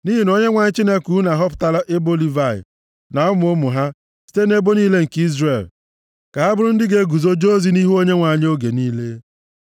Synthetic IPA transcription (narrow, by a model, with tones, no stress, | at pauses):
ni˦ɦi˨no˦ɲe˦ŋʷa˨ɲɪ˦t͡ʃi˦ne˦ku˨˦na˨ɦɔ˦pta˦la˦ʔe˦bo˦li˦va˨ɪ̰˨ | na˨ʊ˦m˨o˦mʊ˨ɦa˦ | si̥˦te˦ne˦bo˦niː˦le˦ŋ̩˨ki˦zre˨l | ka˨a˦bʊ˦ɾʊ˦n̩˦dɪ˦ɡe˨˦ɡu˨zo˦d͡ʒo˦zi˦ni˦ɦu˦o˦ɲe˦ŋʷa˨ɲ˦o˦ɡe˨niː˦le˦